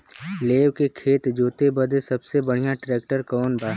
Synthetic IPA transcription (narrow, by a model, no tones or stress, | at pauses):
leːʋkekʰeːt̪d͡ʒoːt̪ebəd̪ʱesɐbsebəɽ̤ijaʈɾɛːk̚ʈəɾkɔːnbaː